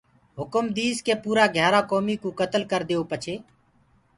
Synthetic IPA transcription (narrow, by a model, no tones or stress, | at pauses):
ɦʊkəmd̪iːzkeːpuːɾaːɡʱjaːɾaːkoːmiːkuːkət̪əlkəɾd̪eːoːpət͡ʃʰeː